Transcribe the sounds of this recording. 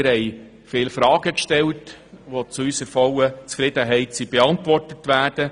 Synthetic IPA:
ɾhɛɪ | fɪːlfɾɑːɡəkʃtɛltʋot͡suysəfɔwət͡sfɾɪd̥əɦɛɪtsib̥eɑntʋɔrtətʋæːrd̥ə

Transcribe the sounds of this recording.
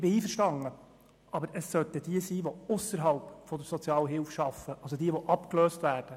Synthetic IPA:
ɪbɪiːfəɾʃtɑŋə | ʔɑbəɾəsːœt̪əd̥iəsiːʋɔʊsəɾɦɑlpfɔd̪əɾsɔt͡sjɑːləɦɪlfʃɑfəʔɑlsɔdiəʋɔʔɑpkløːstʋæːrd̥ə

